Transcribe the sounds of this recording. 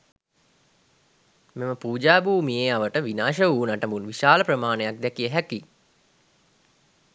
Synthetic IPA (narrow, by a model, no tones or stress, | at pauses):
meməpuːd͡ʒaːbuːmijeaʋəʈəʋinaːʃəuːnaʈəmunʋiʃaːləprəmaːnejak̚d̪ækijəɦæki